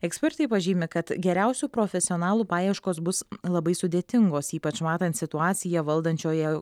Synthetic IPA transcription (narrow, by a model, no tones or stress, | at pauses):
ɛksʲpʲɛɾt̪ɐɪpɐʒʲiːmʲɪkɐt̪ɡʲɛɾʲæʊsʲupɾoːfʲɛsʲɪoːnɑːlˠupɑːjɛɪʃkoːsbʊslˠɐbɐɪsʊd̪ʲeːt̪ʲɪŋɡoːsiːpɐt͡ʃmɑːt̪ɐnt̪sʲɪt̪ʊɑːt̪sʲɪjɛʋɐlˠd̪ɐnʲt͡ʃʲoːjɛ